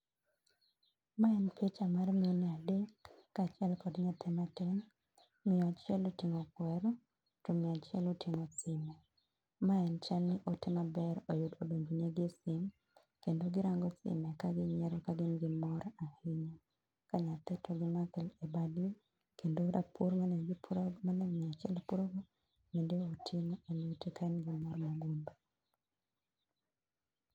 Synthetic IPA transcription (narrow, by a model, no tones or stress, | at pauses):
maɛnpet͡ʃamarmɪjoniadekːat͡ʃɪɛlkɔdɲat̪ʰɛmatɛn | mɪjɔat͡ʃɪɛlotɪŋɔkwɛɾɔ | tomiat͡ʃɪɛlutʰɪŋɔsɪmɛ | maɛnt͡ʃalnɪʔotɛmabɛɾojʊdodoɲd͡ʒuneɡesɪm | kendoɡɪɾaŋɡɔsɪ̰mɛkaɡɪɲɛɾɔkaɡɪnɡɪmɔɾahiɲɔ | kaɲat̪ɛtʰɔɡɪmakɛlebadli | kendoɾapʰuɾmanɛɡɪpɾmanɛmɛat͡ʃɛlpuɾoɡo | mendeotʰɪmoenutekaɛnɡɪmɔrmaɡunbo